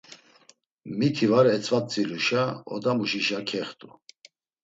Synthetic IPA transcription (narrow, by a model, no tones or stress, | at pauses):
mik̪ʰivaɾɛt͡sʰʼvat͡sʼiluʃaɔ̰d̪amuʃiʃakʰɛχt̪ʼṵ